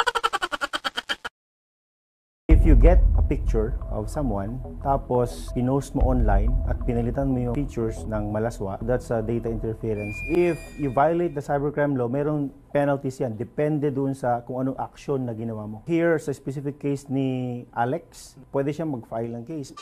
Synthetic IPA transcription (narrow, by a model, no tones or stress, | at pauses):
ʔɪfjʊɡɛt̪̚ɐpɪk̚t͡ʃʊɹʔɔ̰vsɐmwãnt̪aːpospɪnosmo̰ʔonlajnʔɐt̪̚pɪnɐlɪt̪anmojʊfit͡ʃʊɹsnɐŋmɐlaswa̰ʔd̪at̪sɐd̪ejt̪ɐʔɪ̃nt̪ɛɹfiɹɐnsɪfjʊvajʊlejt̪̚d̪ɐsajbɛɹkɹamlomɛɾoŋ | pɛnɐlt̪isjand̪ɛpɛnd̪ɛd̪ʊʔʊnsɐkʊŋɐnoŋʔɐk̚ʃonːɐɡɪnɐwaːmohiɹsɐspɛsifɪkːejsnɪʔalɛk̚spwɛd̪ɛʃamɐɡ̚fajlɐŋkejs